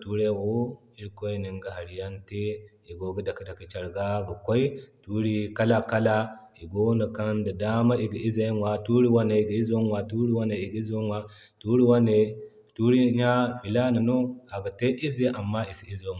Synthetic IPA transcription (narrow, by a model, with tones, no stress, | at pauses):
tu˦ɾe˦˨wo˦ | i˦ɾko˦i˦ni˨ŋɡa˦ha˨ɾi˨ja˦nte˦ | i˨ɡo˨ɡi˦da˨ki˦da˨ki˨t͡ʃa˨ɾɡa˦ɡu˨kʷo˦i˦tu˦ɾi˦ka˦la˦ka˦la˦ | i˨ɡo˦na˨ka˦nda˨da˦ma˦i˨ɡi˨i˦ze˦nwa˨tu˦ɾi˦wa˦ne˨i˨ɡi˨i˦zo˦nwa˨tu˦ɾi˦wa˦ne˨i˨ɡi˦i˦zo˦wa˦ | tu˦ɾi˦wa˦ne˨ | tu˦ɾi˦ɲa˦bi˨la˦na˨no˦a˨ɡa˨te˦ʔi˦ze˦ʔa˨mːa˦i˨si˦˨i˦zo˦˨